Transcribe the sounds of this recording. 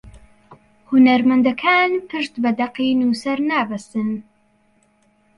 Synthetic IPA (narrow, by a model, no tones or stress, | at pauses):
hunɐɾmɐnd̪ɐkʰaːnpʰɨʃt̪bɛd̪ɐqiːnuːsɐɾnaːbɐsɨn